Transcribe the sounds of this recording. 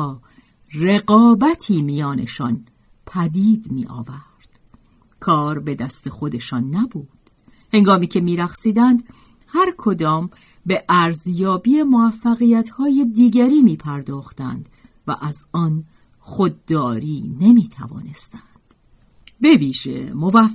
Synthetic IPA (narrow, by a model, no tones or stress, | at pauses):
re̞ɡɒːbæt̪ʰiːmijɒːne̞ʃɒn | pʰæd̪iːd̪mḭːʔɒ̰ːvæɾd̪̥ | kʰɒːɾbe̞d̪æst̪e̞xo̞d̪e̞ʃɒːnːæbuːd̪̥ | he̞ŋɡɒːmiːcʰe̞miːɾæχsiːd̪ænd̪ | hæɾkʰo̞d̪ɒːm | be̞ʔæɾzjɒːbiːe̞moæfːæɣiːjæt̪ʰhɒːje̞d̪iːɡæɾiːmiːpʰæɾd̪ɒːxt̪æ̰nd̪̥ | væ̰ʔæzɒːn | xod̪ːɒːɾiːne̞miːt̪ʰæ̰vɒ̰ːne̞st̪ænd̪̥ | be̞viːʒe̞̰movæ